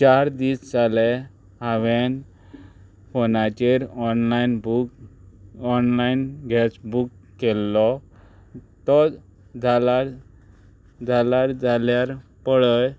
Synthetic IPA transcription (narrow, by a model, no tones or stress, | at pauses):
t͡ɕaɾd̪ist͡salɛ | ɦaʋen | fonat͡ɕeɾɔnlainbu | ɔnlainɡʱɛsbukːɛlːɔ | t̪ɔ | d͡zʱalaɾ | d͡zʱalaɾd͡zaljaɾpəɭəj